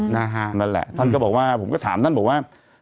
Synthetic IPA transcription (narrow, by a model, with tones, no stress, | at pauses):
naː˧ɦaː˧nə˧˩nlɛ̰˧˨t̪ʰə˧nkə˧˦˩ɓo̰˨˩waː˧v̰ŋ͡mkɔ˨˦t̪ʰa̰ː˧˨mt̪ʰnɓ̰wʔaː˧